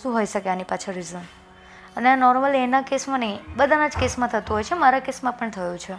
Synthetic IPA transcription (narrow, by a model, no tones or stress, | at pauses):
ʃũɦojʃəkeanipat͡ʃʰə̃ɾizəm | əneanɔɾməlenakesmãnəibəd̪ʱanad͡ʒkesmãt̪ʰət̪uɦojt͡ʃʰemaɾakesmãpəɳt̪ʰəjũt͡ʃʰe